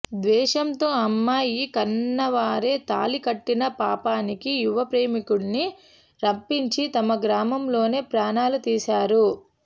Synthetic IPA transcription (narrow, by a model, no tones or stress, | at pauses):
d̪ʋɛːʃɐnt̪o̞ːɐmːaːjikɐnːɐʋaːɾe̞ːt̪a̰ːlikɐʈːinɐpaːpaːnikijuʋɐpɾe̞ːmikuɽni | ɾɐpːiɲt͡ʃit̪ɐmɐɡɾaːmɐmlo̞ːne̞ːpɾaːnaːlut̪iːsaːɾu